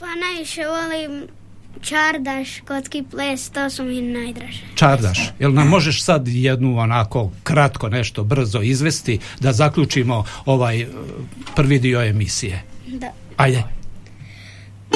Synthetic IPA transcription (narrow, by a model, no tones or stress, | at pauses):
panajʋiʃeʋolim | t͡ʃaɾd̪aʃkot̪skipleːst̪oːsuminajd̪ɾaʒet͡ʃaɾd̪aʃjelnamːo̞ʒe̞ʃsad̪jed̪nuonako̞kɾat̪ko̞ne̞ʃt̪o̞br̩zo̞izʋe̞st̪id̪azakʎʲut͡ʃimo̞oʋaːj | pr̩ʋid̪io̞e̞misijed̪a | ajd̪e